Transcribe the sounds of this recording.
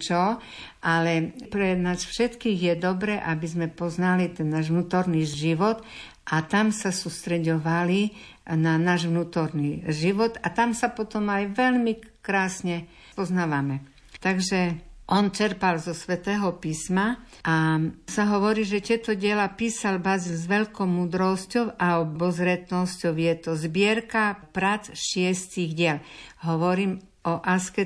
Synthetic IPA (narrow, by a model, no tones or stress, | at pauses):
t͡ʃɔ | ʔalɛpɾɛnaːsfʃɛt̪kiːɣjɛd̪ɔbɾɛːʔabizmɛpɔznalit̪ɛnːaːʒʋnuːt̪ɔɾniʒiʋɔt̪ | ʔat̪amsasuːst̪ɾɛɟɔʋali | nanaːʒʋnuːt̪ɔɾniʒiʋɔt̪at̪amsapɔt̪ɔmajʋɛʎmikɾaːsɲɛ | pɔznaːʋamɛ | t̪aɡʒɛʔɔnt͡ʃɛɾpalzɔsʋɛt̪ɛːɦɔpiːsma | ʔasaɦɔʋɔɾiːʒɛt̪ɪɛt̪ɔɟɪɛlapiːsalbazizʋɛʎkɔmuːd̪ɾɔscɔʊaɔbɔzɾɛt̪nɔscɔʊjɛt̪ɔzbɪɛɾkapɾat͡sʃɪɛst̪iɣɟɪɛlɦɔʋɔɾiːm | ɔʔaskɛ